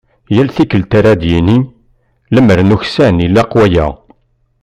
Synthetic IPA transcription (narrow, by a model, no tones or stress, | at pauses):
jælθikːəlt̪aɾad̪jini | ləməɾnuçsænilːɑqwæjæ̰